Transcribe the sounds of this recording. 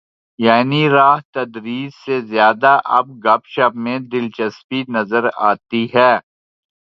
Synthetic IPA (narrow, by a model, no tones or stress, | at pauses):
jaːniɾaːɦt̪ɐd̪ɾiːzsezjaːd̪aʔɐb̚ɡɐpʃapmẽd̪ɪlt͡ʃɐspinɐzəɾa̰ːt̪iɦɛː